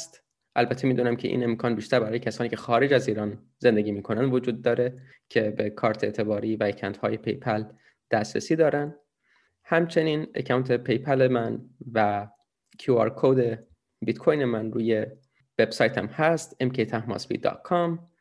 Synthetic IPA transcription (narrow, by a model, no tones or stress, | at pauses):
st̪ | ʔælbæt̪ʰemiːd̪uːnæmcʰe̞ʔḭːne̞mkʰɒːnbiːʃt̪æɾbæɾɒːjecʰæsɒːniːcʰe̞xɒːɾe̞d͡ʒæziːɾɒːn | ze̞nd̪e̞ɟiːmiːkʰo̞nænd̪vo̞d͡ʒuːd̪̚ːɒːɾe | cʰe̞be̞kʰɒːɾt̪ʰet̪ʰe̞bɒːɾiːvæekʰæwnt̪hɒːje̞pʰḛjpʰæl | d̪̥æst̪ɾḛsiːd̪ɒːɾænd̪ | hæmt͡ʃʰe̞niːnḛcʰæwnt̪ʰe̞pʰe̞jpʰælemænvæ | cʰuɒːɾkʰod̪e̞ | bit̪kʰojnemænruːje̞ | ve̞b̥sɒːjt̪ʰæmhæst̪emkʰejt̪ʰæhmɒ̰ːsbḭːd̪ɒ̰ːt̪̚kʰɑm